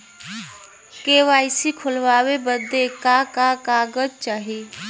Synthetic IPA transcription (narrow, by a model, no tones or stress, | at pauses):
keːʋaːɪsikʰʊlʋaːwebəd̪ekakakaːɡəd͡ʒt͡ʃaːɦiː